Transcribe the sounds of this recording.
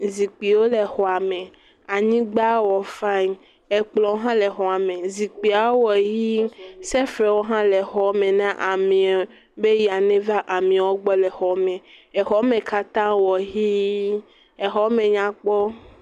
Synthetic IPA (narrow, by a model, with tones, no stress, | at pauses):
zi˨k͡pi˨wo˦le˨xɔ˨a˨mẽ˨ | a˨ɲĩ˦ɡ͡ba˦wɔ˨fa˦˨n | ɛ˨k͡plɔ̃˨wo˦ɦã˦le˨xɔ˨a˨mẽ˨zi˨k͡pi˨a˨wo˦wɔ˨ɦi˦sɛ˦fɾɛ˨wo˦ɦã˦le˨xɔ˨˦mẽ˨nã˦ʔa˨mĩ˨a˨ | be˦ji˨a˨nẽ˦va˦ʔa˨mĩ˨a˨wo˦ɡ͡bɔ˦lɛ˨xɔ˨mẽ˨ɛ˨xɔ˨˦mẽ˨ka˦t̪ã˦wɔ˨ɦi˦ | ɛ˨ɦɔ˦mẽ˨ɲã˨k͡pɔ˦